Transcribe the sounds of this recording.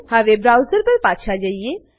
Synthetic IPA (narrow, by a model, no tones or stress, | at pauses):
hɐʋebɾaːwzəɾpɐɾpaːʃʰad͡ʒaːie